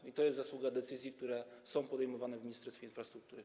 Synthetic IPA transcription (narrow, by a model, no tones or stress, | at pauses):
it̪ɔjɛst̪zaswuɡad̪ɛt̪sɘzʲjik̚t̪uɾɛsɔ̃w̃pɔd̪ɛjmɔvanɛvmʲiɲist̪ɛɾst̪fʲjeinfɾast̪ɾuk̚t̪uɾɘ